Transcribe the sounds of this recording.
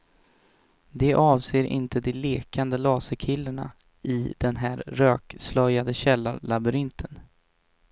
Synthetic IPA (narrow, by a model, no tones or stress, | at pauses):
d̪ɛʔɑːvseːɾʔɪ̰nt̪əd̪ɛleːkand̪əlɑːsəkʰɪlːəɳa̰ | ɪd̪̥ɛnɦæːɾːøːkslœjad̪əɕɛlːaɾlabɵɾɪnt̪ʰən